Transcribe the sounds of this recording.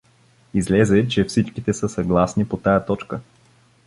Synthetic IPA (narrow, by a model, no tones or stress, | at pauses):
izlɛzɛt͡ʃɛfsit͡ʃkit̪ɛsəsɐɡlˠasnipot̪ajət̪ɔt͡ʃkə